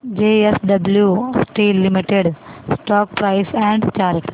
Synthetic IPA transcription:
d͡ʒeːesɖɐbljusʈiːlːimiʈeɖsʈɔːk̚pɾaɪsɛ̃ɳɖt͡ʃaːɾʈ

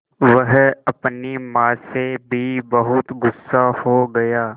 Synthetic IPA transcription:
ʋɐɦɐpnimãːsebʱibɐɦʊt̪ɡʊsːahoɡɐjaː

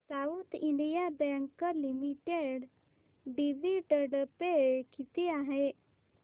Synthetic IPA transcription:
saut̪iɳɖijabɛ̃ŋkəlimiʈeɖ | ɖiʋiʈəɽpeɭkit̪iaɦe

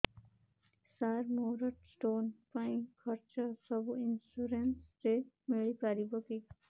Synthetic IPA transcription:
saɾmoɾɔʈsʈonpaĩkʰʌɾt͡ʃɔsɔbuinsuɾensɾe | miɭipaɾibɔki

